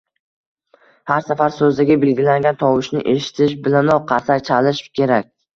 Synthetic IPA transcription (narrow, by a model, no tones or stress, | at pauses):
haɾsafaɾsɵzd̪aɡʲabe̞lɡʲɪlaŋɡʲant̪ʰɒwɪʃnɪ̰ʔe̞ʃɪ̥t̪ʰɪʃbɪlanɒqʰɑɾsakt͡ʃʰalɪʃkʲʰe̞ɾakʲ